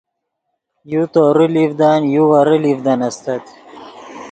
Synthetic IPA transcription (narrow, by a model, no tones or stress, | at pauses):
jut̪oɾilivd̪anjuwaɾilivd̪anɐst̪ɐt̪